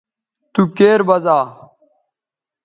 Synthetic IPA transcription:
t̪ukeːɾbɐzaː

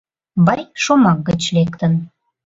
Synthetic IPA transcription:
bɑjʃomɑk̚ɡət͡ɕlekt̪ən

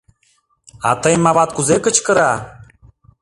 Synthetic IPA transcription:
a̰t̪əjmːavat̪̚kuzekət͡ɕkɤ̆ɾa

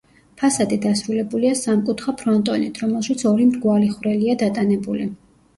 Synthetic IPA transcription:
pʰasad̪id̪asɾulɛbuliasamkʼut̪ʰχapʰɾɔnt̪ʼɔnit̪ʰɾɔmɛlˠʃat̪sʰɔɾimɾɡwaliχvɾɛliad̪at̪ʼanɛbuli

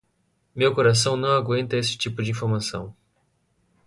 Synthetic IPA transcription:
mewkoɾas̬ɐ̃w̃nɐ̃w̃aɡwẽnt̪ɐesɪ̥t͡ʃipʊd͡ʒɪĩfoɾmasɐ̰̃w̃

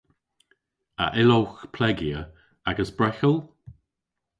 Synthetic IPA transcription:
ə̰ʔɪlowxpʰlɛɡiə | aɡəsb̥ɹɛxəl

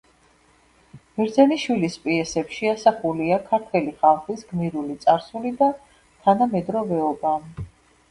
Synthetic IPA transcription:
miɾd̪zɛniʃwilispʼiɛsɛpʃiasaχuliakʰaɾt̪ʰwɛliχalˠχisɡmiɾulit̪sʼaɾsulid̪a | t̪ʰanamɛd̪ɾɔvɛɔba

